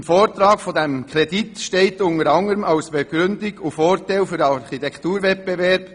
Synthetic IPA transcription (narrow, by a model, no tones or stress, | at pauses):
mfoːɾtɾɑːkfɔdɛmkʰɾɛditʃteɪtʊnəɾɑŋəɾəmʔɑʊsb̥eɡ̥ɾʏndɪɡʊfoːɾtaɪlfyɾɑɾχitɛktuːɾvɛt̚b̥evɛɾb̥